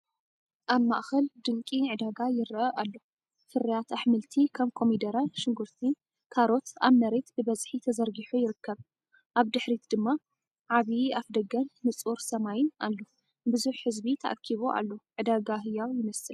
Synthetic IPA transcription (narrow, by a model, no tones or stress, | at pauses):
ʔaβma̰ʔxɐld̪ɨŋkʼiʕɨd̪aɡajɪɾʔɐʔalːo̞ | fɨɾijat̪aħmɨlt̪ʰikʰɐmkʰo̞mid̪ɐɾaʃɨŋɡuɾt̪ʰi | kʰaɾo̞t̪aβmɐɾet̪bɨbɐzħit̪ʰɐzɐɾɡiħujɪɾɨkːɐβ | ʔaβd̪ɨħɾit̪d̪ɨmːa | ʕaβiafd̪ɐɡɐnːɨt͡sʼuɾsɐmajɪnalːo | bɨzuħːɨzbit̪ʰɐ̰ʔa̰kʰːiβoʔa̰lːo̞ʕɨd̪aɡaɦɨjawjɪnɐsɨl